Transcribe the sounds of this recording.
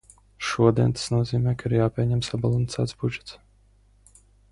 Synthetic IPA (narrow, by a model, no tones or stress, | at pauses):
ʃuɔd̪iɛnt̪ḁsnuɔziːmʲɛːkaiɾjaːpʲiɛɲɛmsabalˠant̪sæ̰ːt̪sbud͡ʒɛ̥t̪s